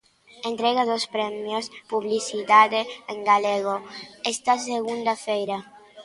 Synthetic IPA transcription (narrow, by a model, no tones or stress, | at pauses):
ent̪ɾɛɣaðospɾɛmjospuβlisit̪aðeeŋɡaleɣ̞oɛst̪as̬eɣund̪afejɾa